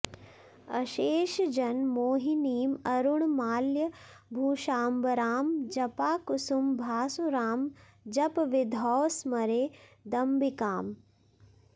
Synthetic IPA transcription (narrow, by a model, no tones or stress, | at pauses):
ɐ̰ʃeːʃd͡ʒɐnmoːɦiniːmɐɾuɳmaːljɐ | bʱuːʃaːmbɐɾaːmd͡ʒɐpaːkusumbʱaːsuɾaːm | d͡ʒɐpʋid̪ʱɔːʋsmɐɾeːd̪ɐmbikaːm